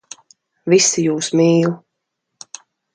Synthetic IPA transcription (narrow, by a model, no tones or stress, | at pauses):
visijuːsmiːlˠ